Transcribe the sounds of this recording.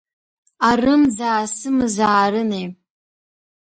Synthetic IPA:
arɨmzaːsɨmɨzaːɾɨnej

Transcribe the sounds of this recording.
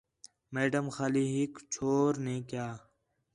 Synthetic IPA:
meːɖəmxaːliːɦikt͡ʃʰoːɾneːkjaː

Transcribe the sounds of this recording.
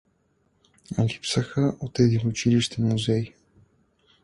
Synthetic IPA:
ɐ̰lipsəxəʔot̪ɛd̪inʊt͡ʃiliʃt̪ɛnmuzɛj

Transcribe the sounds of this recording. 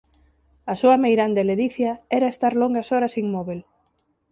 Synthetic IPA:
ɐsuɐmejɾand̪eleðiθjaɛɾaest̪aɾloŋɡasɔɾɐsiŋmɔβel

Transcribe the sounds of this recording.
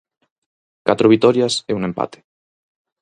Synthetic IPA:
kat̪ɾoβ̞it̪ɔɾjaseuŋẽmpa̰t̪e̥

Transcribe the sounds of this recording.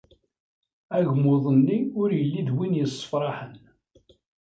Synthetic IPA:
æʝmʊðˤənːiʊɾjəlːid̪winjəsˤːə̥fɾˤɑħən

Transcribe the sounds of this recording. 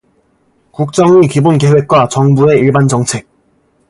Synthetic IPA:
kuk̚t͡ɕ͈ʌŋikibonke̞we̞k̚k͈wat͡ɕʌŋbue̞iɭband͡ʑʌŋt͡ɕʰe̞k̚

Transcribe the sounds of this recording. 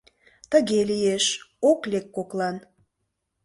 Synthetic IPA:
t̪ə̆ɣelieʃoklʲekːoklˠɑn

